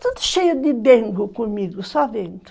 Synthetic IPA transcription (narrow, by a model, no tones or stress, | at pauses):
t̪ot̪ʃejud̪ibeŋɡukumiɡusavent̪